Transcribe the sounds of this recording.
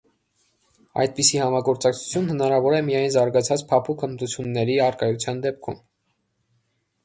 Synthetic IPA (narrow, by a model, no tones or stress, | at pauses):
ɑ̰jd̪̚pisihɑmɑɡɔɾt͡sɑkt͡sʰu̥t͡sʰjunhənɑɾɑvɔɾɛmijɑjnzɑɾɡɑt͡sʰɑt͡spʰɑpʰukʰəmt̪ut͡sʰjunːɛɾiɑɾkɑjut͡sʰjɑnd̪ɛp̚kʰṵm